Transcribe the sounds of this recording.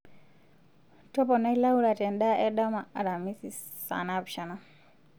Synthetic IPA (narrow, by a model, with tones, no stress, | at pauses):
tɔ˦pɔ˨na˦i˦la˦uɾa˨tɛ˨nɗa˦ʔɛ˦ɗamaa˨ɾa˨mi˦si˨ | sa̰napʃa˨na